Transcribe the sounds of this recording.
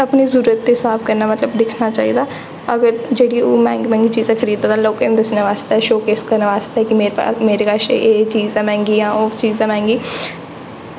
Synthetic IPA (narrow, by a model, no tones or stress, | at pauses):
əpniːzuːɾət̪ːeːɪsaːpkəɾnaːmət̪ləbd̪ɪkʰnaːt͡ʃaːḭːd̪aː | əɡəɾd͡ʒeːɽiːoːmɛ̃ːŋɡmɛ̃ːŋɡiːt͡ʃiːzãːkʰəɾiːd̪ãːd̪ãːloːkeñt̪ʊsnẽːʋaːst̪ːɛːʃoːkɪskəɾnãʋaːst̪ːɛːkɪmeːɾ̰meːɾeːkaʃḛʔeːt͡ʃiːzãːmɛ̃ːŋɡiːjãːoːt͡ʃiːzãːmɛ̃ːŋɡiː